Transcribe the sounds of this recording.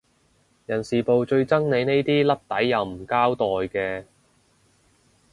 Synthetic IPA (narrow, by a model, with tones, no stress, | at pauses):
jɐ˨˩nsiː˨˩po˨wt͡ʃɵ˧ɥt͡sɐ˥ŋne˨˧jne˥jt̪iː˥lɐ˥p̚t̪ɐ˨˥jːɐ˨˧wm̩˨˩kaː˥wt̪ɔː˨jkɛː˧